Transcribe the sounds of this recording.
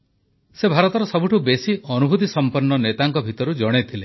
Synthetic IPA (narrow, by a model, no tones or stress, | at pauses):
sebʱaɾɔt̪ɔɾɔsɔbʱuʈʰubesiɔnubʱut̪isɔmpɔnːɔnet̪aŋkɔbʱit̪ɔɾud͡ʒɔɽ̃et̪ʰile